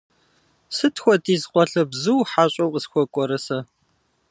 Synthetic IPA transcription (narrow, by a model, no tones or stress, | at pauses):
sɨtʰxʷɔtiːzqʷɔɬɐbzɨwħaːɕʼɐwqʼəsxʷɔkʷʼɔɾɐsɐ